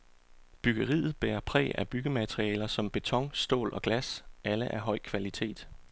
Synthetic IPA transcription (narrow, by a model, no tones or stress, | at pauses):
b̥yɡ̥ɐʁḭːð̩ˠb̥eːɐpʰʁɛ̰ːæb̥yɡ̥əmæd̥ʁiɛːlɐsɒ̽mb̥e̝t͡sʰɒ̽ŋsd̥o̝̰ːlɒ̽ɡ̥læsæləʔæɐɦɒ̽ɪ̰kʰʋælit͡sʰe̝̰ːd̥